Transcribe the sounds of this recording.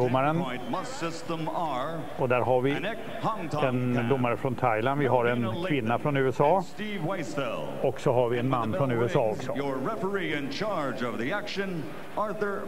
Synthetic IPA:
ʊmːaɾənt̚mʌsɪstə̃məɹ | ɔd̪æːɾɦaɾvɪnɛk̚ | hɑ̃ŋtʰɛnd̪ʊmːaɾəfɾɔnt̪ʰajland̪vɪɦaɾɛnkvɪnːafɾɔnʉ̟ːɛsɑːstivweɪstɛ̰lˠɔksɔɦaɾvɪɛnmanːfɾɔnʉ̟ːɛsɑːɔksɔjə˞ːɛfə˞iɨ̃nt͡ʃʰɑɹd͡ʒʌvðiækʃɨ̃n | ɑɹθə˞

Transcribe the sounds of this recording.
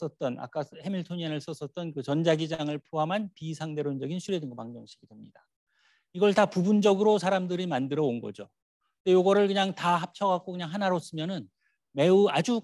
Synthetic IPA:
s͈ʌt̚t͈ʌna̰k͈ahe̞miɭtʰoɲanɯɭs͈ʌs͈ʌt̚t͈ʌnkɯt͡ɕʌnd͡ʑaɡid͡ʑaŋɯɭpʰoɦamɦanpisʰaŋde̞ɾond͡ʑʌɡinɕʰuɾjedɯŋɡʌpaŋd͡ʑʌŋɕʰi̥ɡidwemɲida | iɡʌɭtapubund͡ʑʌɡɯɾosʰaɾamdɯɾimandɯɾʌonɡʌ̰d͡ʑo | tojoɡʌɾɯɭkɯɲaŋtahap̚t͡ɕʰʌɡak͈okɯɲaŋɦanaɾos͈ɯmjʌnɯn | me̞uad͡ʑu

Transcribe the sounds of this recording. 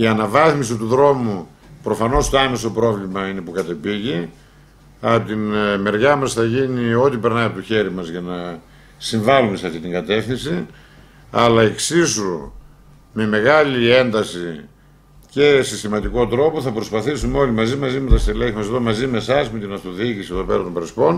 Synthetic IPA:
iɐnɐvɐθmisit̪uðɾo̞mu | pɾo̞fɐno̞st̪oɐme̞sopɾo̞vlimɐine̞pukɐt̪e̞piʝi | ɐt̪inme̞ɾʝɐmɐsθɐʝinio̞t̪ipe̞ɾnɐjɐpot̪oçe̞ɾimɐzʝɐnɐ | siɱvɐlume̞seɐft̪it̪iŋɡɐt̪e̞fθinsi | ɐlɐeksisu | me̞me̞ɣɐlie̞nd̪ɐsi | ce̞sist̪imɐt̪iko̞t̪ɾo̞po̞θɐpɾo̞spɐθisumeo̞limɐzimɐzimet̪ɐst̪eleçimɐst̪omɐzime̞sɐzme̞t̪inɐst̪o̞ðicisieðope̞ɾɐt̪ombɾespo̞n

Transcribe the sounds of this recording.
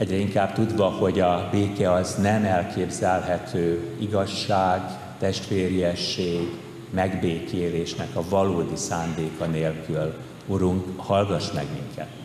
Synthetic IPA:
ɛɟrɛiŋkaːb̚t̪ud̪vɒho̞ɟɒbeːkɛɒznɛmɛlkʰeːbzɛlɦɛt̪ʰøːiɡɒʃːaːɡ | t̪ɛʃt̪ʋeːɾjɛʃːeːɡ | mɛɡbeːkʰeːleːʃnɛkɒvɒloːd̪isaːnd̪eːkɒneːlkyl | uɾuŋkhɒlɡɒʃmɛ̰ɡmḭŋkʰɛ̰t̪

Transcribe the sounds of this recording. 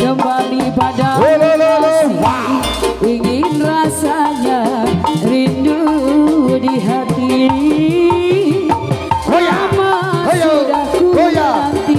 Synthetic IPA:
kəmbalipadalai | iŋinrasaɲa | ɾindu | diɦat̪i | lamaudakuɦat̪i

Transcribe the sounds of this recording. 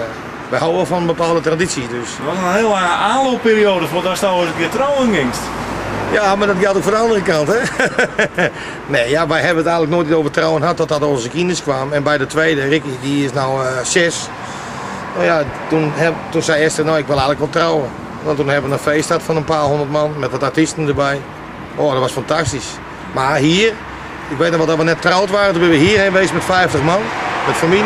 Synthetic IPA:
ʋɛhawəfɔnənbəpaːlˠdətradisidøsʋɔtənheːlˠaaːnloːppiːɾioːdəfɔtɔstaosətʋɪətrowənɡɪŋstjamadɔtɡɛlˠtokfɔndəandərəkanthɛ | neːjaʋɛjɦɛbənətɛjɣŋnləknoːjt̚itoːvərtrawənɦat̚ːɔt̚dɔtoːnsəkinəskʋaːmɛnbɛjdətʋeːdərɪkidiɪsnawsɪs | nojatunhɛtunsɛjɛstərənoːɪkʋɪlˠɛjɣŋnləkʋɔlˠtrawə | notunhɛbəʋənənfeːsthatfɔnənpaːhondətmanmɛtʋɔtartistən̩dəbɛj | odɔtʋɔsfantastis | mahiər | ɪkʋeːtnɔxʋɔtɔʋənɛtːrawtʋaːrətunbɪnʋəhiːrheːnʋeːsmɛtfɛjftəxmanmɛtfami

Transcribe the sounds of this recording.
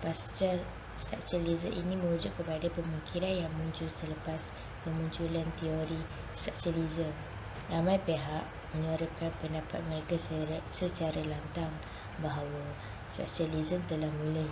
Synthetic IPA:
past͡ʃa | sta̰ksalizəʔḭnĩmə̃ud͡ʒʊʔkəpadapəmuŋkʰiɾanjaŋmũɲt͡ʃulsələpas | kəmuɲt͡ʃulant̪ioɾi | spaksalizəm | ramãjpeɦaʔ | mə̃ɲaɾəkanpəndapat̪̚mə̃ɾekasət͡ʃaɾalant̪aŋ | baɦawa | spa̰ksalizəmt̪əlahmũla

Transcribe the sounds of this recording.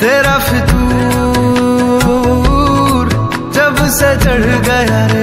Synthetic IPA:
t̪eːɾafʰɪt̪uː | ɾ | d͡ʒɐbset͡ʃɐɽ̤ɡɐja

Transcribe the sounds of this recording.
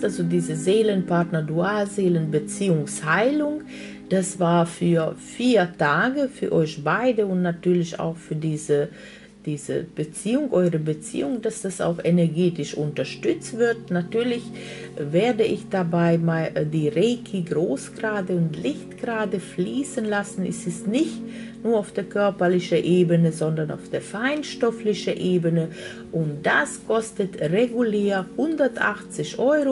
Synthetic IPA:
ʔalzodiːzəzeːlənpaɐtnəɐduaːlzeːlənbət͡siːʊŋshaɪlʊŋ | d̥asv̥aːɐfyːɐfiːɐtaːɡəfyːɐʔɔʏçb̥aɪdəʊntnatyːɐlɪça̰ʊxfyːɐdiːzə | d̥iːzə̰b̥ət͡siːʊŋʔɔʏʁəbət͡sḭːʊŋdasd̥asa̰ʊxʔenɛɐɡeːtɪʃʔʊntɐʃtʏt͡stv̥ɪɐtnatyːɐlɪçveːɐdəʔɪçd̥abaɪmadiːʁeːkʰiɡʁoːsɡ̥ʁaːdəʊntlɪçtɡ̥ʁaːdəfliːsənlasn̩ɪ̰stɛsnɪçt | nuːɐaʊfd̥eːɐkʰœɐpɐlɪçəʔeːbənəzɔndɐna̰ʊfd̥eːɐfaɪnʃtɔflɪçəʔeːbənə | ʔʊntd̥askʰɔstətʁeɡuleːɐhʊndɐtʔa̰xt͡sɪçʔɔʏʁo

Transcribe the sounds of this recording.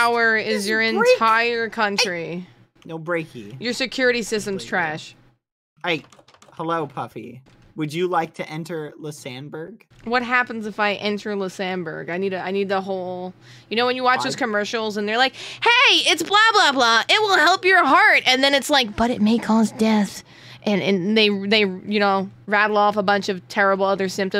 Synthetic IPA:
ʊə˞ɪzjə˞ɨ̃ntʰaɪə˞kʰʌ̃nt͡ʃɹ̥i | noʊbɹeɪkʰḭjə˞sɨkʰj̥ʊɹɨɾisɪstɨ̃m̩z̥tʰɹ̥æʃ | aɪk | həloʊpʰʌfḭ | wɨd͡ʒɨlaɪk̚tʰɨʔɛ̃ntə˞lʉsæ̃nbə˞ɡ̥wʌt̚ɦæpn̩zɨfaɪʔɛ̃ntʰə˞lʉsæ̃nbə̰˞ɡaɪniɾɨaɪnid̪̚ðəɦoʊlˠ | jɨñoʊwɨ̃njɨwɑt͡ʃðoʊz̥kʰɨmɜ˞ʃl̩ˠzə̃nðə˞laɪkheɪɪtsb̥lɑblɑblɑʔɪt̚wɪlˠɦɛlˠpjə˞ɦɑɹtɨ̃nðɨ̃ñɨtslaɪk̚b̥ʌɾɨt̚meɪkʰɔzdɛθ | ʔɨ̃nɨ̃nðeɪðeɪjɨñoʊɹæɾl̩ˠɔfəbʌ̃nt͡ʃʌv̥tʰɛɹɨbl̩ˠʌðə˞sɪ̃mp̚tɨ̃

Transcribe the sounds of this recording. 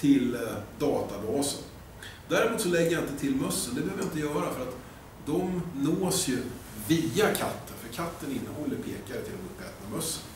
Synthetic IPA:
t̪ʰɪld̪ɑːt̪abɑːsə̰n | d̪æɾmuːt̪sɔlɛɡːəjaɪnt̪ət̪ʰɪlmœsːənd̪ɛbɛhøːvəjaɪnt̪əjœːɾafœɾat̪ | d̪ɔmnoːsjɵ | viːakʰat̪ʰːənfœɾkʰat̪ːənɪnːəhɔlːəɾpʰeːkaɾɛt̪ʰɪlːɛnɵpːɛ̰ːt̪namœsːən

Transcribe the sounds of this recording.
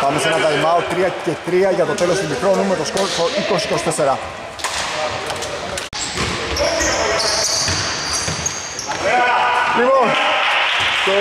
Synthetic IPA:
pɐmesenɐt̪ɐimɐot̪ɾiɐcet̪ɾiɐʝɐt̪o̞t̪e̞lost̪umikɾo̞nume̞t̪osotoiko̞sikosi̥t̪ese̞ɾɐ | lipon

